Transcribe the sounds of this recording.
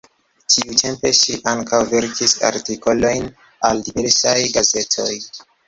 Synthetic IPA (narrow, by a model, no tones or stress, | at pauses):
tʰiutʰe̞mpe̞ʃiʔaŋkʰawve̞ɾkʰisa̰ɾtiko̞lo̞jn | aldive̞ɾsajɡaze̞tʰo̞j